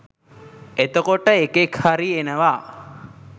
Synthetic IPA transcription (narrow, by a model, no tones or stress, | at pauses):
et̪əkoʈəekekhaɾienəʋa